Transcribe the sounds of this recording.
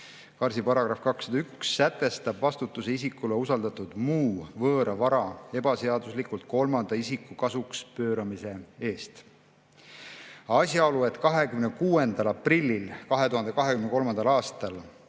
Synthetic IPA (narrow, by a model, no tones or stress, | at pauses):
kɑrsipɑɾɑɡ̥ɾɑfkɑksɑd̪ɑyksːæt̪ːˑe̞st̪ɑbvɑst̪ut̪ːˑuse̞isikːuleusɑld̪̥ɑt̪ːˑud̪̥muːvɤːɾɑvɑɾɑe̞b̥ɑse̞ɑd̪̥uslikult̪̚ko̞lmɑnd̪̥ɑisikːˑukɑsukspø̞ːɾɑmise̞e̞ːst̪ | ɑsjɑo̞lue̞t̪ːˑkɑɦe̞kymnekuːe̞nd̪̥ɑlɑprilʲːilkɑɦe̞t̪uhɑnd̪e̞kɑɦekymneko̞lmɑnd̪̥ɑlɑːst̪ɑl